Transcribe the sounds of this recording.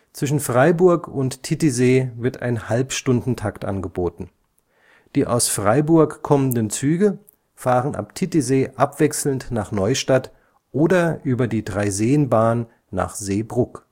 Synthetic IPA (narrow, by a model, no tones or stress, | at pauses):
t͡sv̥ɪʃ̬n̩fʁ̥aɪbʊɐkʊnttʰːɪtizeːvɪɐtʰa̰ɪnhalpʃtʊndn̩tʰaktʔa̰nɡəboːtn̩ | d̥iːʔa̰ʊsfʁ̥aɪbʊɐkkʰːɔməndənt͡syːɡə | faːʁənʔa̰ptʰɪtizeːʔapv̥ɛksl̩ntnaːχnɔʏʃtat | ʔoːdɐʔyːbɐdiːdʁaɪzeːənbaːnː | a̰ːχz̥eːbʁʊk